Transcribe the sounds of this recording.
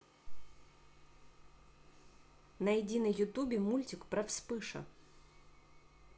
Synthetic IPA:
nɐjɪdʲinəjːʊt̪ubʲɪmulʲtʲɪkpɾɐfspɨʂɐ̰

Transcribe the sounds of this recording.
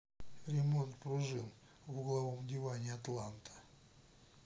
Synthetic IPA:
ɾʲɪmo̞nt̪pɾʊʐɨn | vʊɡlˠɐvomdʲɪvanʲɪɐt̪lˠant̪ʰə̥

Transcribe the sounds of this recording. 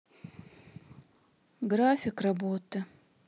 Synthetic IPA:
ɡrafʲɪkrabotʰɨ

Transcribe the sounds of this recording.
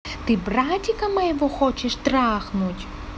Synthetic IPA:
t̪ɪbɾatʲikɐmɐjɛʋɔxɔt͡ʃɛʃt̪ɾaxnʊtʲ

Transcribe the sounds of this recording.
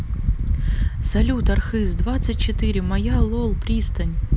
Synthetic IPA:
sɐlʲut̪ɐrxɨzd̪vat̪sɨt̚ʲt͡ɕɪt̪ɨɾʲɪmɐjalˠolˠpɾʲist̪ənʲ

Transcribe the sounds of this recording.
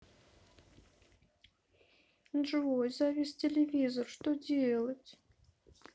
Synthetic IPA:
ʐɨvɔjzavʲesʲt͡sʲelʲevʲizɔrʂt̪ɔd͡zʲelˠɐt͡sʲ

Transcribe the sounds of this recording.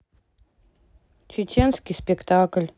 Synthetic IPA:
t͡ɕɪt͡ɕenskʲispʲekt̪aklʲ

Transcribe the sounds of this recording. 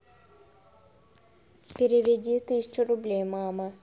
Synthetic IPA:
pʲɪɾʲɪʋʲɪdʲit̪ɨsʲɪ̥t͡ɕʊɾʊblʲejmamə

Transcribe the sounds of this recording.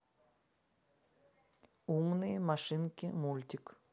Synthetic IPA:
umnɨjəmaʂɪnkʲɪmulʲt̪ʲik

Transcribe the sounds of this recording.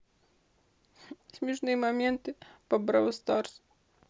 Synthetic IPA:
sʲmʲiʐnɨjəmɐmʲent̪ɨpɐbɾa̰wst̪ars

